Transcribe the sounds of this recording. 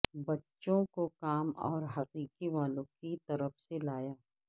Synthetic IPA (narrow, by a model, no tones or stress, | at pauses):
bɐtːʃõkokaːmɔ̰ːɾɦɐqiːqiʋaːlõkit̪ɐɾəfselaːjaː